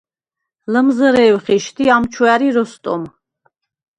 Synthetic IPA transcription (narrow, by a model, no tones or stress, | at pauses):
ləmzəɾɛːwχiʃt̪ʰiamt͡ʃʰuæɾiɾɔst̪ʼɔm